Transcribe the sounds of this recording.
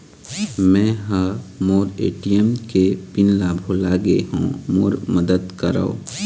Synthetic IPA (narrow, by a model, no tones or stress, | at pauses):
mɛ̃ːɦamoːɾḛːʈijəmkepɪnlaːbʱolaːɡeɦõmoːɾməd̪əd̪kəɾa̰o̰ː